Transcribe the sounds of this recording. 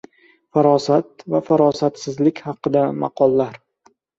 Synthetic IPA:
faɾɒsat̪̚vafaɾɒsat̪sɪzlɪkʲhɑqɨd̪amɑ̰qʰɒlˠːaɾ

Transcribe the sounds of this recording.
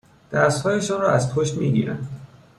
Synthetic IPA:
d̪̥æst̪hɒːje̞ʃɒːnrɒːæzpʰoʃt̪miːɡḭːɾæ̰n

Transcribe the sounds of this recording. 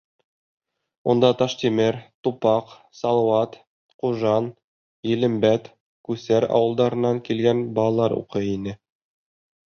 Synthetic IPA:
und̪ɑt̪ɑʃt̪imɘɾt̪upɑq | sɑlˠɑwɑt̪ | quʒɑn | jɘ̆lɘ̆mbæt̪ | kʉsæɾɑ̰wɤ̆lˠd̪ɑɾɤ̆nːɑŋkilɡænbɑlˠɑlˠɑɾṵqɤinɘ

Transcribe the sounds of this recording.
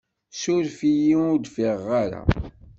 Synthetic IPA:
sʊɾfijiʊd̪fiʁːaɾa̰

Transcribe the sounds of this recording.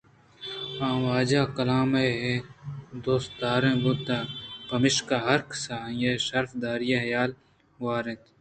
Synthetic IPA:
ãːwaːd͡ʒaːkɐlaːmeɦed̪oːst̪aːɾẽːbʊd̪aːpɐmɪʃkaːɦɐɾksãːjeʃɐɾfd̪aːɾijaɦjaːl | waːɾẽt̪

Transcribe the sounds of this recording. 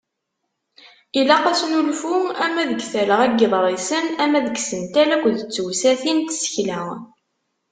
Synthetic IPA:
ilæqæsnulfuæmːæðəɡθæləʁæɡeðˤɾˤisənæmːæðəɡsənt̪ælækʷːðət͡sːwsæθint̪sə̥çlæ

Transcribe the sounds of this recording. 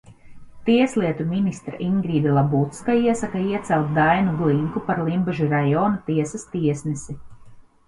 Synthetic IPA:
t̪iɛslˠiɛt̪uminist̪ɾa̰ʔiŋɡɾiːd̪ɛlˠabut̪skaiɛsakaiɛt̪sɛlˠt̪̚d̪ajnuɡlˠiŋkupaɾlˠimbaʒuɾajɔːnɐt̪iɛsast̪iɛsnisi

